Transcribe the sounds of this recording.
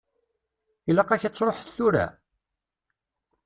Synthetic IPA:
iləqːɑçət͡sːɾˤoħθuɾæ̰

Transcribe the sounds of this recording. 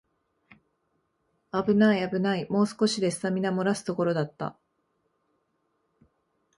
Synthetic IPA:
abɯ̟naiabɯ̟naimo̞ːsɨ̥ko̞ɕid̪e̞sɨ̥samʲinamo̞ɾasɨ̥t̪o̞ko̞ɾo̞d̪at̪ːa̰

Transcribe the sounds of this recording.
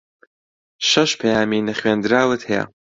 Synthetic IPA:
ʃɐʃpʰɐjaːminɐχweːnd̪ɨɾaːwɨt̪hɛja̰

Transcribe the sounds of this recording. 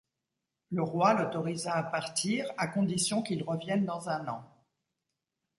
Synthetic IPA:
ləʁwalɔt̪ɔʁizaːpaʁt̪iːʁakɔ̃d̪isjɔ̃kilʁəvjɛnd̪ɑ̃zɛ̃nɑ̃

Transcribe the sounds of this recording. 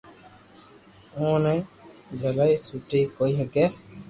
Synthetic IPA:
õːnɛ̃ːd͡ʒʱəlaiːsuːʈiːkoːiːɦɛkɛː

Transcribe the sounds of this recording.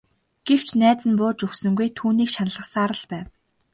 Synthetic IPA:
ɡ̥ew̥t͡ɕʰnæːt͡sɘ̆npʊːt͡ɕɵxsɵ̆ŋɡujt̪ʰuːniːkʃanə̆ɮə̆qsaːɾə̆ɮpæːw

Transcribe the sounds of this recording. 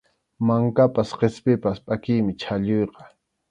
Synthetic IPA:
maŋkapasqespɪpaspʼakɪjmɪt͡ʃʰaʎojqɑ̥

